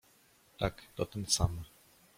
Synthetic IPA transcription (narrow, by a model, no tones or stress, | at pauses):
t̪akt̪ɔt̪ənsamə